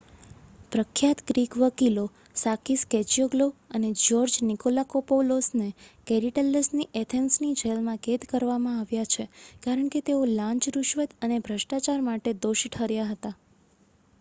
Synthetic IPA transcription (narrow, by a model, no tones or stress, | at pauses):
pɾəkʰjat̪ɡɾikʋəkilo | sakiskɛt͡ʃioɡloəned͡ʒɔɾd͡ʒnikolakopolosnekɛɾiʈəlːəsniʔɛt̪ʰensnid͡ʒelmãɡet̪kəɾʋamãaʋjat͡ʃʰekaɾəɳket̪eolãɲt͡ʃɾuʃʋət̪ənebʱɾəʃʈat͡ʃaɾmaʈed̪oʃiʈʰɦəɾjaɦət̪a